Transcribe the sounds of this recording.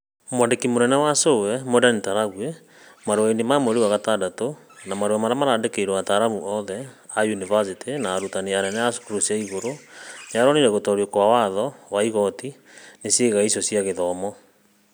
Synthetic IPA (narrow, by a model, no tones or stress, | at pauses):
mwandekimoɾɛnɛwasowɛmoɾanetaɾaɣwɛ | maɾoaendemameɾewaɣatadato | namaɾowamaɾamaɾaːndekeiɾwataɾamuʔɔðɛ | ajunivas̬itinaːɾutaneanɛnɛaso̥koɾosiaiɣoɾojaɾɔniɾɛɣotɔɾwekowawaðɔwaiɣɔti | nesjeɣaisɔsiaɣeðɔmɔ